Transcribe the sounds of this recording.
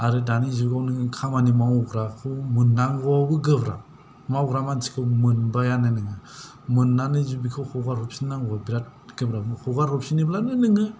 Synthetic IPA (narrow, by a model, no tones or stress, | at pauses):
aɾɯdanizuɡawnɯŋɯkʰamanimawuɡɾakʰɯmɯnːaŋɡɔbɯɡɯbɾa̰ | mawɡɾamant͡ʃʰi̥kʰɯmɯnbajananɯŋɯ | mɯnːanɯzubikʰɯwhʰɔɡaɾɔp̚sinaŋɡɔbiɾat̚ɡ̥ɯbɾabɯhʰɔɡaɾɔp̚siniblanɯnɯŋɯ